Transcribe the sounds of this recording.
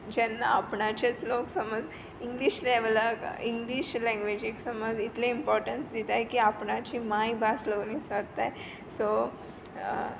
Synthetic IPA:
d͡ʑɛnːaːpɳat͡ɕat͡sloksəməd͡z | iŋɡliɕleʋləkiŋɡliɕlɛ̃ŋɡʋed͡ʑeksəməd͡zit̪leimpɔɾʈənsd̪it̪ajkiapɳat͡ɕimajbasləɡniːsədt̪aj | so

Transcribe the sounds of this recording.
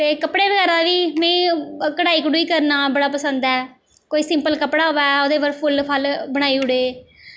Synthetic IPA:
t̪eːkəpɽeːbəɡɛːɾd̪aːʋiːmɛ̃ːkəɽaːiːkəɽuiːkəɾnaːbəɽaːpəsənd̪ɛː | koːiːsɪmpəlkəpɽaːɦoːʋɛːoːd̪eːʋəɾpʰʊlpʰəlbəɽ̃aːiːʊɽeː

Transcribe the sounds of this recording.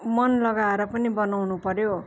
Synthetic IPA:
mʌnlʌɡaeɾʌpʌnibʌnawnupʌɾjo

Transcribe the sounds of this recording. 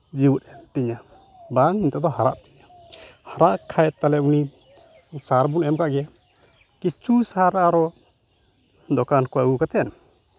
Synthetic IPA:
d͡ʒiwut̪̚ɛmt̪iɲa | baŋiɲt̪ɛd̪ɔhaɾa̰ʔt̪iɲa | haɾaʔkʰajɛt̪alɛuni | saɾbunɛmkaʔɡɛ | kit͡ʃusahaɾaaɾɔ | d̪ɔkankɔaɡukat̪ɛn

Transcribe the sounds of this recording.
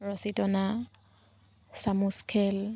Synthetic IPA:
rɔsitʼɔna | samuskʰɛl

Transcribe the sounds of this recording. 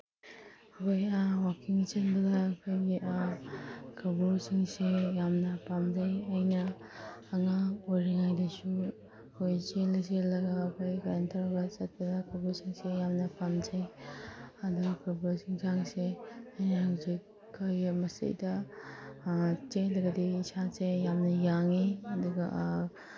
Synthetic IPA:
ɐkʰojawakiŋt͡ʃɐt̚bɐɡaːkʰojɡia | kʰɐbuɾsiŋsejamnɐpamd͡ʒɐjɐjnɐː | ŋaojɾiŋajdɐsu | kʰojt͡ʃelɐselɐɡaːkʰojkaɾentʰaɾbat͡ʃɐt̚bɐɡakʰɐbuɾsiŋsejamnɐpamd͡ʒɐj | ɐduɐkɐbuɾsiŋzaŋseɐjnɐhuze | kʰɐjmɐsḛjdɐ | t͡ʃelɐɡɐdiːsasejamnɐjaŋiɐduɡɐ̰

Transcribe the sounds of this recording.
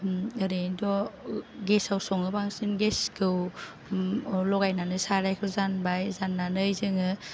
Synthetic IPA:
ɯɾɯdɔɡesawsɔŋɯbaŋsɯnɡeskʰɯw | lɔɡajnanɯsaɾajkʰɯwzanbajzanːanɯjzɯŋɯ

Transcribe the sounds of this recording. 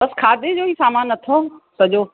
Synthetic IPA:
bɐskʰaːd̪ed͡ʑoːɦiːsaːmaːnːɐt̪ʰosɐd͡ʑoː

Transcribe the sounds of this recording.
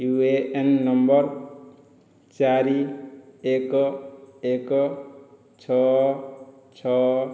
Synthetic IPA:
jueenːʌmbʌɾ | t͡ʃaɾi | ek | ek | t͡ʃʰʌ | t͡ʃʰʌ

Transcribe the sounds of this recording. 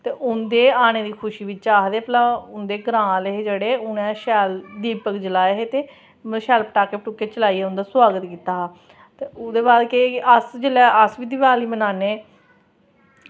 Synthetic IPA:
t̪eːʔʊnd̪eːaːɽ̃eːd̪iːkʰʊʃiːʋit͡ʃaːɦd̪eːplãːʊnd̪eːɡəɾãːleɦeːd͡ʒeːɽeːʊnɛ̃ːʃɛːld̪iːpəkd͡ʒəlaːeɦeːt̪eː | mʃɛːlpəʈaːkeːpʈuːkeːt͡ʃəlaːiːeːʊ̃nd̪aːswaːɡət̪kiːt̪aːɦa | t̪eːʊd̪eːbaːd̪keəsd͡ʒəlɛːəsʋiːd̪ɪʋaːliːmənaːneː

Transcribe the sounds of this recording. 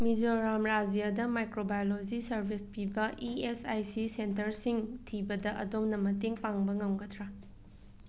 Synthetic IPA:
mid͡ʒoɾamɾad͡ʒijadɐmajkɾobajolod͡ʒisɐɾbʱispibɐʔiesajsisentɐɾsiŋtʰibɐdɐʔɐ̰domnɐmɐteŋpaŋbɐŋɐwɡɐtʰɾa

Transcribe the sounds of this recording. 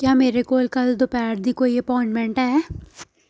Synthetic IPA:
kjaːmeːɾekoːlkɐld̪opɛːɾd̪ikoːiəpɔːɪ̃ɳʈmɛ̃ɳʈɦɛː

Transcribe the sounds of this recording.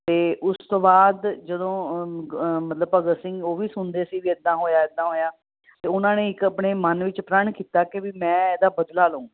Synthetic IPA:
t̪eːʔʊst̪õːbaːd̪d͡ʒəd̪õː | mət̪ləbəɡəɾsɪ̃ŋɡoːʋiːsʊnd̪eːsiːʋiːɛd̪ãːɦoːjaːɛd̪ãːɦoːjaː | t̪eːʊnãːneːɪkəpɳeːmənʋɪt͡ʃpɾəɳkiːt̪aːkɪʋiːmɛ̃ːeːd̪aːbəd̪laːlũː

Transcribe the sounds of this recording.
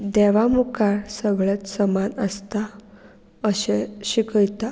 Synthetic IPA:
d̪ɛʋamukʰaɾsəɡɭət͡ssəmanəst̪a | əɕeɕikəjt̪a

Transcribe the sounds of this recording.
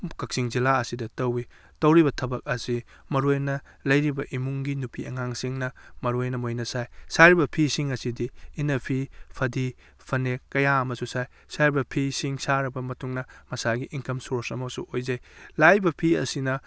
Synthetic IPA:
kɐk̚siŋzilaɐsidɐtɐwi | tɐwɾibɐtʰɐbɐk̚ɐsi | mɐɾojnɐ | lɐjɾibɐʔimuŋɡinupʰiɐ̰ŋaŋsiŋnɐmɐɾojnɐmojnɐsajsaɾibɐpʰisiŋɐsidiːnɐpʰipʰɐdi | pʰɐnekːɐjaɐmɐsusaj | saɾibɐpʰisiŋsaɾɐbɐmɐtuŋnɐmɐsaɡiʔiŋkɐmsoɾsɐmɐsṵʔojzɐjlajbɐpʰiɐ̰sinɐ

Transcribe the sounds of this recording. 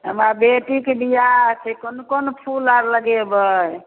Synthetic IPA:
ɦə̰mɾabeʈĩkeɖijat͡ʃʰɛkonokonopʰulaɾləɡebəj

